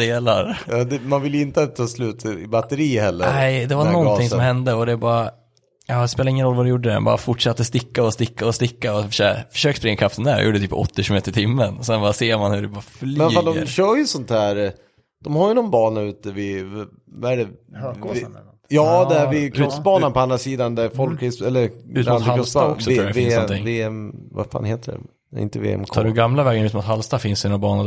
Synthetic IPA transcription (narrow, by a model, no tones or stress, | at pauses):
d̪eːlaɾɑd̪ɛmanvɪljɪnt̪ət̪ʰɑːslʉ̟ːt̪ʰɪbat̪ːəɾiːhɛlːəɾɛɪd̪ɛvaɾnɔnt̪ʰɪŋsɔmhɛnd̪əɔd̪ɛbɑːɾa | ɑːspeːlaɪŋːənɾɔlːvad̪ɛjuːɖːəd̪ɛ̰bɑ̰ːɾa̰fʊʈːʂat̪ːəst̪ɪkːaɔst̪ɪkːaɔst̪ɪkːaɔøfœ̥ʂøːkspɾɪŋːakʰafsɛnd̪æːɾj̰jṵːɖɛt̪yːpɔ̰t̪ːɪɕʉmeːt̪əɾɪt̪ʰɪmːənɔsɛnbɑːɾaseːɾmanhɵɖɛbɑːɾflɛfald̪ɔɾɕœːɾjɵsɔnt̪hæːɾ | d̪̥ɔmhaɾjənɔnbɑːɳaʉ̟ːt̪̚d̪ævɪ | vaæɖɛ | jɑːd̪ææɾvɪkʰɾɔst̚bɑːnanpʰɔand̪ɾasiːd̪and̪æɾfɔlkːɾɪsɛlːəɾʉːanɔst̪ːɔksɔuːaɾɛɪenːnɔɪŋveːɛmva̰ɾfa̰ːnheːt̪əɖɛ̰ | ɪ̰nt̪əvḛːɛ̰mtkʰɑːɾʉɡamlavɛːɡənʉt̪mut̪ɦalst̪afɪnsinabɑːna